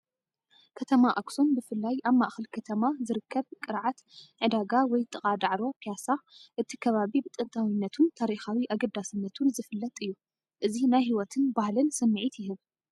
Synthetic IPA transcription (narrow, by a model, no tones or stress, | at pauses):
kʰɐt̪ʰɐmaʔakso̞nbɨfɨlːajʔaβmaʔxɐlkʰɐt̪ʰɐmazɨɾɨkʰːɐβkʼɨɾʕat̪ʕɨd̪aɡawɔjt̪ʼɨχʼad̪aʕɾopʰijasaʔɨt̪ʰikʰɐβaβibɨt̪ʼɨnt̪ʰawinːɐt̪ʰunt̪ʰaɾixawiʔaɡɐd̪asɨnːɐt̪ʰunzɨfɨlːɐt̪ʼɨjːu | ʔɨzinajɦiwɔt̪ʰɨnbahlɨnsɐmːɨʕit̪jɪɦɨβ